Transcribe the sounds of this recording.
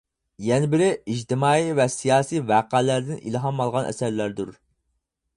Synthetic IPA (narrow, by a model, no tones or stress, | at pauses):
jɛnɪbɪɾɪid͡ʒt̪ʰɪmɑːivɛsijɑːsijvæːqælæɾd̪ɪnʔḭlˠɦɑmɑlˠʁɑnʔɛ̰sæɾlæɾd̪uɾ